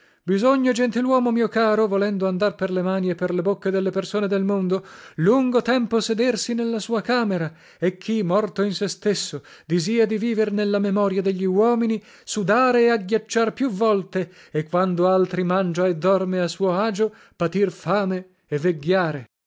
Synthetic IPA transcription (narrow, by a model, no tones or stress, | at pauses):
bizoɲːod͡ʒent̪ilwɔːmomiːokaːɾovolɛnd̪oand̪arperlemaːniepːerlebokːed̪elːepersoːned̪elmond̪oluŋɡot̪ɛmposed̪ersinelːasuːakaːmeɾa | ekʰːimːɔrt̪oinsest̪esːod̪iziːad̪iviːvernelːamemɔːɾjad̪eʎːiwɔːmini | sud̪aːɾeːaɡːjat͡ʃːarpjuvːɔlt̪e | ekːwand̪oalt̪ɾimand͡ʒaed̪ːɔrmeasuːoaːd͡ʒo | pat̪irfaːme | ɛvːeɡːaːɾe